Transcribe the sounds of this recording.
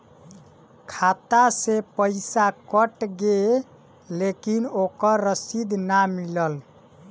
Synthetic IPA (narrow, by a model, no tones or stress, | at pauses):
kʰat̪asepəjsakəʈɡe | lekinokəɾːəsid̪namiləl